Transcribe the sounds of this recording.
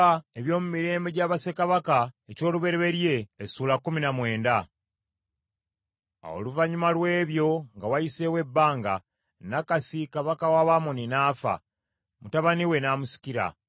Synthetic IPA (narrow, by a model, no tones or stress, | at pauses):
aeβjo̞ːmumiɾe̞ːmbe̞ɟaːβase̞kaβakaeco̞ːluβe̞ɾeβe̞ɾje̞ːsuːlakːuminamwe̞ːnda | o̰luvaɲumalwe̞ːβjo̞ŋɡawajise̞we̞bːaːŋɡa | nakasikaβakawaβamoninaːfa̰ | mutaβaniwe̞naːmusi̥ciɾa̰